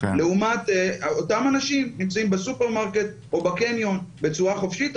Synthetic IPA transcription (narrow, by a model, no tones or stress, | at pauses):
le̞umat̪otamanaʃimnimt͡saimbesupe̞ʁmaʁke̞t̪̚ | ʔo̞bakenjo̞nbe̞t͡suʁaχo̞fʃit̪